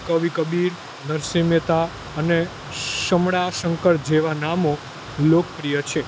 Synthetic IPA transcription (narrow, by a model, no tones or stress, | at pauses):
kəʋikəbiɾ | nəɾsimet̪a | əne | ʃəmɽaʃəŋkəɾd͡ʒeʋanamo | lokpɾijət͡ʃʰe